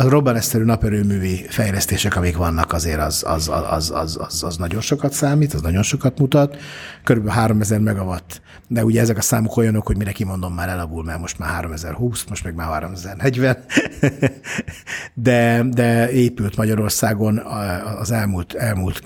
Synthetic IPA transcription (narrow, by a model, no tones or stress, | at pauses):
ɒro̞bːɒnɛssɛɾyːnɒpɛɾøːmyːvifɛjlɛst̪eːʃɛkɒmikʋɒnːɒkɒzeːɾɒzɒ̰zɒ̰ɒ̰zɒ̰zɒ̰zɒ̰znɒɟo̞nʃo̞kɒt̪saːmiːt̪ɒznɒɟo̞nʃo̞kɒt̪mut̪ɒt̪køɾybɛlɦaːɾo̞mɛzɛrmɛɡɒvɒt̪ː | d̪ɛuɟɛɛzɛkɒsaːmoko̞jɒno̞kho̞ɟmiɾɛkimo̞nd̪o̞mːaːɾɛlɒɡulmɛrmo̞ʃt̪ma̰ːɦaːɾo̞mɛzɛ̰rhuːsmo̞ʃt̪mɛɡmaːɦa̰ːɾomɛzɛrnɛɟvɛn | d̪ɛd̪ɛeːpylt̪mɒɟɒɾo̞rsaːɡo̞nːzɛlmult̪ɛlmult̪